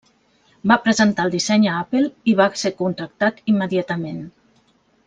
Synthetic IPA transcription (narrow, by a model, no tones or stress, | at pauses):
bapɾəzənt̪aəlˠd̪isɛɲəapelˠiβasekunt̪ɾək̚t̪at̪imːəðiat̪əmen